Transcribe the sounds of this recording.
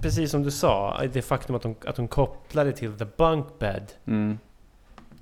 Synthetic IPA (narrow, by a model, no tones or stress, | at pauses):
pɾɛs̬iːsːɔmd̪ɵsɑ̰ːd̪ɛfakt̪ɵmat̪̚hʊma̰t̪̚hʊnkʰɔpːlaɖ̪ɛt̪ʰɪlðəbaŋkbɛ̰d̪